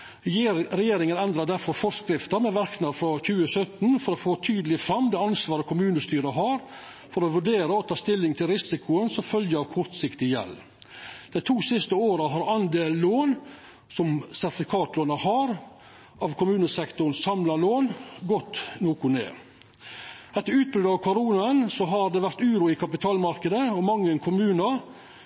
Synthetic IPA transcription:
ɾɛjeːɾɪŋənɛnd̪ɾəɖ̪æɾfɔɾfɔʂkɾɪft̪əɾmɛʋæɾknəɾfɾɔçʉːəsœt̪nfɔɾofoːt̪ʰyːd̪əlɪfɾɑmːd̪ɛːɑnsʋɑːɾəkʰʊmʉːnəst̪yːɾəɦɑɾ | fɔɾɔʋʉɖeːɾəɔt̪ʰɑːst̪ɪlːɪŋt̪ʰɪlɾɪsɪkʰʊənsɔmfœljəɑʋkʰʊɾt̪sɪkt̪ɪjɛ̰l | d̪̥æɪt̪ʰuːsɪst̪əoːɾəɦɑɾɑnd̪eːlːoːn | sɔmsæɾt̪ɪfɪkʰɑːt̪loːnəhɑɾ | ʔɑʋkʰʊmʉːnəsɛkt̪ʊɳ̩sɑmlɑloːnɡɔt̪noːkʊnḛː | ɛt̪ːəɾʉːt̪̚bɾʉd̪ɑʋkʰʊɾuːnəənsɔɦɑɾd̪ɛʋæɾt̪ʉːɾʊɪkʰɑpɪt̪ʰɑːlmɑɾkəd̪əɔmɑŋːənkʰʊmʉːnɑ

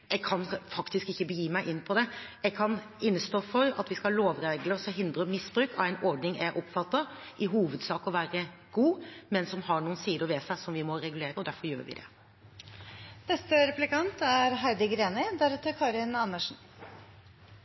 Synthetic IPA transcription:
ɛɡkʰɑnfɑkt̪ɪskɪçːəbəjiːmæɪʔɪnːpʰɔd̪ɛɛɡ̚kʰɑn | ɪnːəst̪oːfɔɾɑ̰t̪ʋɪskɑloːʋɾeːɡləsɔɦɪnd̪ɾəmɪsb̥ɾʉːkʰɑʋæɪnɔɾɖnɪŋæɾʔɔpfɑt̪ːɑ | ʔɪɦuːʋəd̪sɑːkɔʋæːɾə | ɡ̥uːmɛnsɔmhɑɳuːənsiːd̪əɾʋɛsæɪsɔmʋɪmɔɾɛɡʉleːɾəɔd̪æɾfɔɾjø̰ːɾʋɪ̰d̪ɛ̰ | nɛst̪əɾɛplɪkɑnt̪æɾɦæɾɖ̪ɪɡɾeːnɪd̪æɾʉt̪əkʰɑːɾɪnɑnːəʂn̩

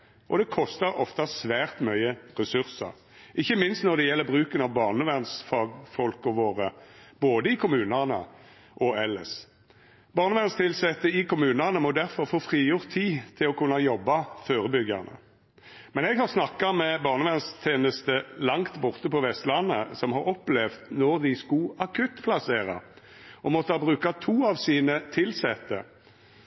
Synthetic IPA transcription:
ʔɔ̰d̪ɛkʰɔst̪əɾɔft̪ɑsʋæːʁt̪mœʏəʁɛsʉʁsə̰ʁ | ʔɪçːəmɪnst̪nɔʁd̪ɛjɛlːəʁbʁʉːkənɑʋbɑːʁnəʋænsfɑːɡfɔlkɔʋoːʁəb̥oːd̪əɪkʰʊmʉːnəʁnə̰ | ʔɔɛlə̰s | bɑːʁnəʋɛnst̪ʰɪlsɛt̪ːəɪkʊmʉːnəʁnəmɔd̪æʁfɔʁfoːfʁiːjʊʁt̪ʰːiːt̪ʰɪlɔkʰʉnːɑjɔbːɑføːʁəbʏɡːə̰ʁnə̰ | mɛnɛɡhɑʁsnɑkːɑmɛbɑːʁnəʋɛnst̪ʰeːnəst̪əlɑŋt̪bʊʁt̪əpɔʋɛst̪lɑnːə̰sɔmhɑɾɔplɛʋt̪nɔʁd̪ɪskʊɑkʰʉt̪ːpʰlɑseːʁɑ̰ | ʔɔmɔt̪ːəhɑːbʁʉːkɑt̪ʰuːɑʋsiːnət̪ʰɪlsɛt̪ːə̰

